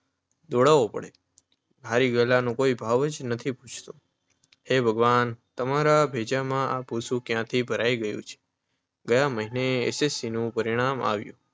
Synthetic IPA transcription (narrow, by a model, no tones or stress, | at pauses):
d̪oɽaʋopə̰ɽe | bʱaɾiɡəlanũkoibʱaʋəd͡ʒnət̪ʰipũt͡ʃʰt̪ũ | hebʱəɡʋant̪əmaɾabʱed͡ʒamãʔabʱusũkjãt̪ʰibʱəɾaiɡəjṵ̃t͡ʃʰe̥ | ɡəjãməɦineḛsesːinũpəɾiɽ̃ama̰ʋjṵ̃